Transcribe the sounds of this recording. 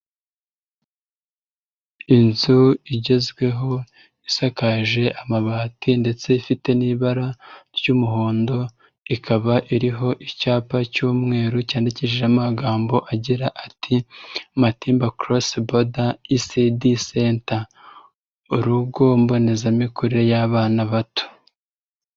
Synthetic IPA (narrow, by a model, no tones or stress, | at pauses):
inzuiɟe̞zɡwe̞ɦo̞ | isakaʒe̞ʔamaβaːtʰinde̞t͡se̞ifite̞niːβaɾaɾjumuɦo̞ːndo̞ | ikʰaβaʔiɾiɦo̞ʔicaːpacuːmŋe̞ːɾucaːndiciʒeamaɡaːmbo̞ʔaɟiɾaʔatʰimatiːmbakɾosbodaisidisenta | uɾuɡo̞mbo̞ne̞zamikuɾejaβaːnaβatu̥